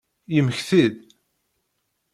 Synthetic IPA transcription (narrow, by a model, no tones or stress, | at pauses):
jəməçθið